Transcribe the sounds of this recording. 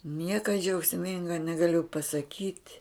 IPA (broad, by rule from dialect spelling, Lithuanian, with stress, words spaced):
ˈnʲiɛkɐ d͡ʒʲɛʊksʲˈmʲɪŋɡɐ nʲɛɡɐˈlʲʊ pɐsɐˈkʲiːtʲ